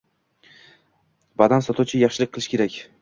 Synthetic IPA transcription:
bad̪ansɒt̪ʰuwt͡ʃʰɪjɑχʃɪlɪk̚ʲqʰːɨlˠɪʃkʲʰe̞ɾakʲ

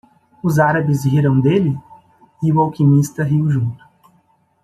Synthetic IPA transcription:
ʊzaɾɐbɪziɾɐ̃w̃d̪elɪ | ɪʊawkimist̪ɐɦiwʒũnt̪ʊ̥

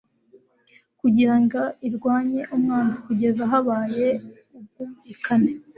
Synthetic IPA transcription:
kuɟiɾaŋɡaiɾɡwaːɲe̞ʔumŋaːnzikuɟe̞zaɦaβaːje̞ | ub̚ɡuikane

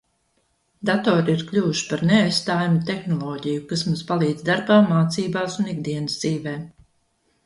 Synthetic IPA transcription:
d̪at̪ɔːɾiiɾklʲuːuʃi̥paɾneajst̪aːjamut̪exnɔlˠɔːɟijukasmuːspalˠiːd̪zʲd̪aɾbaːmaːt̪siːbaːsuniɡ̚d̪iɛnɨzd̪ziːvɛː

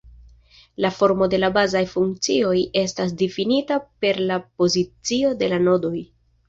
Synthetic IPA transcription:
lafo̞ɾmo̞de̞labazajfuŋk̚t͡sio̞je̞stas̬difinitape̞ɾlapo̞zit͡sio̞de̞lano̞do̞j

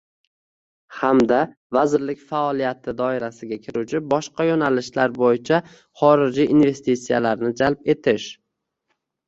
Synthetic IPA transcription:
hamd̪a | vazɪɾlɪkʲfaɒlˠijat̪ʰɪd̪ɒɪɾasɪɡʲakʲʰɪɾut͡ʃʰɪbɒʃqɑjonalɪʃlaɾbojɪt͡ʃʰa | χɒɾɪd͡ʒiʔinve̞st̪it̪sijalaɾnɪd͡ʒalp̚e̞t̪ʰɪʃ

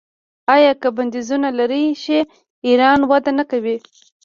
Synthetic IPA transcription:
ɑjɑkəband̪izunalaɾiʃe | iɾɑnwad̪anakawi

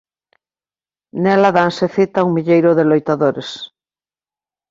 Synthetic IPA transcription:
nɛlaðanseθit̪auŋmiʎejɾʊðelojt̪aðoɾes

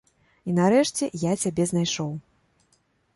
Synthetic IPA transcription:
inaɾɛʂt͡sʲɛjat͡sʲabʲɛznajʂɔw

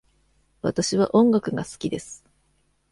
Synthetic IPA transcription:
βa̰t̪aɕiβa̰ʔõ̞ŋɡakɯ̟ɡasɨ̥kʲid̪e̞sɨ̥

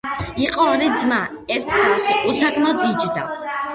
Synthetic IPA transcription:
iqʼɔaɾɛd̪zma | ɛɾt̪ʰsalʃiʔusakʰmɛt̪ʰʼit͡ʃd̪a̰

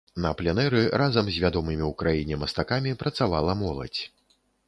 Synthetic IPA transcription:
nɐplʲɛnɛɾɨɾazɐmzʲvʲad̪ɔmɨmʲiwkɾajinʲɛmɐst̪akamʲipɾɐt̪savalˠɐmɔlˠɐ̰t͡sʲ

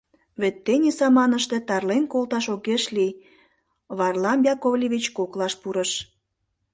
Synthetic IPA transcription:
βet̪ːenʲesɑmɑnəʃt̪e̽t̪ɑrlenkolˠt̪ɑʃoɣeʃlij | βɑrlɑmjɑkovlʲeβʲit͡ɕkoklɑʃpuɾəʃ

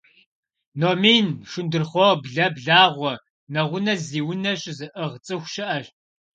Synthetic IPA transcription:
noːmiːnʂʊndɨrχʷɔbɮɐbɮaːʁʷɔ | nɐʁʷʊnɐziːwʊnɐɕʼzɨʔɨʁt͡sʼɨxʷʃɪʔɐɕ

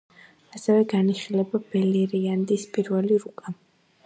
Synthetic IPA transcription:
asɛvɛɡaniχilɛbabɛliɾiand̪ispʼiɾvɛliɾukʼa

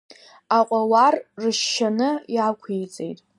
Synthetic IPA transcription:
aqʷʼawarrɨʃːanɨjakʷʰijt͡sʼḛjtʼ

